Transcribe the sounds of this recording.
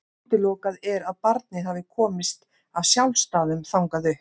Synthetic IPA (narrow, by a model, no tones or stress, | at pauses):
t̪ɪlɔːkaðɛɾaðpaɾt̪̚nɪɦaːvɪkʰɔːmɪst̪ | avsjawlst̪aːðʏmθawŋkaðʏ